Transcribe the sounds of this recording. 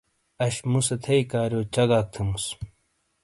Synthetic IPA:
ɐɕmusɐt̪ʰɐjkaːɾjoːt͡ɕɐɡaːk̚t̪ʰemus

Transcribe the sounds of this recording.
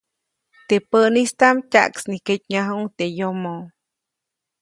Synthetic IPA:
t̪epəʔnist̪amcʲa̰ʔksniket̪ɲaɦuŋt̪ejomo

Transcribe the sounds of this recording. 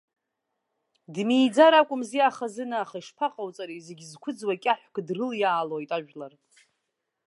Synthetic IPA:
dmijd͡zaɾakʷʼʊmziaχazɨnaːχaiʂpʰaqʼawt͡sʼaɾize̞ɡʲzkʷʰʊd͡zwakʲʼaħʷkʰʼdrɨljaːlojtʼaʒᶣlar

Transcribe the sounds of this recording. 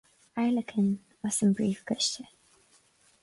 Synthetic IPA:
aɪləkʰə̃n | wʌ̥sə̃mbɹiːˑfkʰɛst͡ʃə

